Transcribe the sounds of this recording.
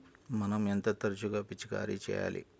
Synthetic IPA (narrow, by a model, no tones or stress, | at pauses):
mɐnɐment̪ɐt̪ɐɾt͡ʃuɡaːpit͡ʃːika̰ːɾit͡ʃɛ̰ːja̰ːlʔḭ